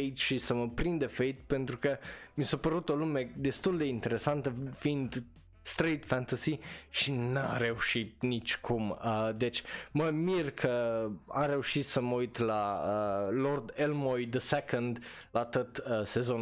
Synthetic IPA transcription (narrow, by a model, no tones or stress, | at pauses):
ejt̪ʃisəməpɾind̪efejt̪pe̞nt̪ɾukəmisapəɾut̪o̞lume̞d̪e̞st̪uld̪e̞int̪e̞ɾesant̪əfind̪ | st̪ɾejt̪fænt̪əsiʃina̰ɾe̞uʃit̪̚nit͡ʃʲkʰuməd̪et͡ʃʲməmirkʰəaɾe̞uʃit̪səməujt̪laəlord̪elmojd̪əsekənd̪ | lat̪ət̪əse̞zon